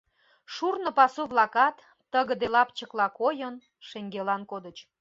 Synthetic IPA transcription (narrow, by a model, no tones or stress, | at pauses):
ʃurnə̆pɑsuβlɑkɑt̪ː | əɣəd̪elɑpt͡ɕəklɑkojən | ʃeŋɡelɑnkod̪ət͡ɕ